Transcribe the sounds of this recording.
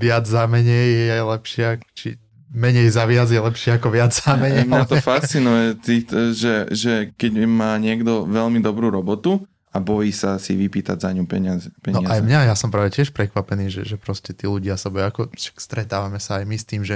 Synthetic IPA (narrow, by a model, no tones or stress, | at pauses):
ʋɪad͡zzamɛɲɛjɛajlɛpʃɪat͡ʃi | mɛɲɛjzaʋɪad͡zjɛlɛpʃɪaakɔʋɪad͡zzamɛɲɛjmɲat̪ɔjfast͡sinujɛt̪it̪ʒɛʒɛkɛɟmaːɲɪɛɡd̪ɔʋɛlmid̪ɔbɾuːɾɔbɔt̪u | abɔjiːsasḭʋipiːt̪a̰ɟzaɲupɛɲazpɛɲnɔaʔajmɲajasɔmpɾaːʋɛcɪɛʃpɾɛkʋapɛniːʒɛʒɛpɾɔscɛt̪iːluɟɪasabɔjakɔʃḁkst̪ɾɛt̪aːʋamɛsaːjmist̪iːmʒɛ